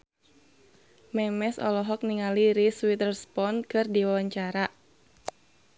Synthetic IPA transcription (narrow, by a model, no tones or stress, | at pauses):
mɛmɛsɔ̰lɔɦɔk̚niŋaliɾiswit̪ərspɔnkɨrdiwawaɲt͡ʃaɾa